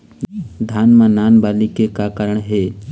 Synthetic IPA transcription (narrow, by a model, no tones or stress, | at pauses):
d̪ʱaːnmãnaːnbaːlikekakaɾəɳɦe